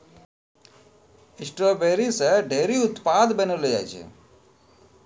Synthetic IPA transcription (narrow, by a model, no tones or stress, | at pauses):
ɪsʈɾoːbeːɾiseɖʱeːɾiʊt̪paːd̪bɐnuleja̰t͡ʃʰḛ